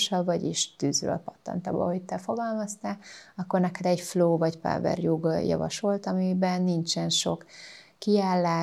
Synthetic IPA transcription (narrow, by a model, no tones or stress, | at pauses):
ʃɒbvɒɟiʃt̪yːzrø̰ːlpɒt̪ːɒ̰nt̪ɒ̰bɒ̰ɦoɟ̚t̪ːɛfo̞ɡɒlmɒst̪aːlɒkːornɛkɛd̪ɛɟfloːvɒɟpa̰vɛ̰rjuɡjɒ̰vɒ̰ʃolt̪ɒmibɛnːint͡ʃɛnʃo̞kː | iaːlːaː